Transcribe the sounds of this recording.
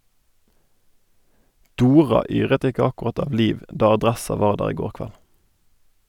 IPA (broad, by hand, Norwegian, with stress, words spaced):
ˈduːʁɑ ˈyːʁət ˈɪkə ɑkʊˈʁɑt ˈɑː ˈliːʋ ˈdɑː ɑˈdʁɛsɑ ˈʋɑːʁ ˈdæːʁ ˈiː ˈɡoːʁ ˈkʋæl